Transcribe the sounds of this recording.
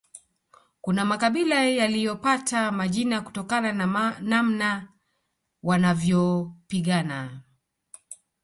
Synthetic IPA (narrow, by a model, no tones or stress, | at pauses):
kunamakaɓilajalijɔpatʰamaʄinaku̥tɔkanannamna | wanavjɔpiɠana